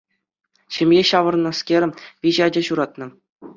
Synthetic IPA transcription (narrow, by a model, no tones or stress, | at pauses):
ɕɘ̆mʲjeɕɑʋɤ̆rnɤ̆skʲeɾʲɘpʲiʑɑd͡ʑɑɕuɾɑt̪nɤ̆